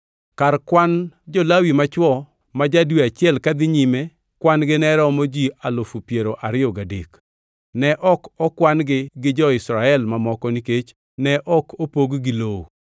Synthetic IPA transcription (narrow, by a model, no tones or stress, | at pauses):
karkwand͡ʒɔlawimat͡ʃwɔ | mad͡ʒadweat͡ʃɪɛlkad̪ɪɲime | kwanɡɪnɛɾɔmod͡ʒialofupjeɾoʔaɾɪɔɡadḛk | nɛʔɔkɔkwanɡɪɡɪd͡ʒɔɪsɾaɛlmamɔkɔniket͡ʃ | nɛʔɔkʰopoɡɡɪloo